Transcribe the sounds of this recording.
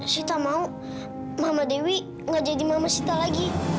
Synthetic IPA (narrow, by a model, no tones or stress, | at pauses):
sit̪amau | mamadewi | ŋad͡ʒadimamasit̪alaɡi